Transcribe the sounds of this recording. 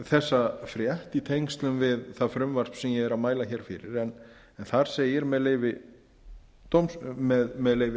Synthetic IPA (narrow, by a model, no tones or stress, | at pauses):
θɛsːafɾjɛht̪it̪ʰejŋst̪lʏmvɪðθafɾʏmvar̥spsɛmjɛɛɾaðmaːjlaçɛːɾ̥fɪ̰ɾɪɾɛn | ɛnθaɾ̥seːjɪɾmɛðleːjvɪ | t̪owmsmɛðmɛðleːjvɪ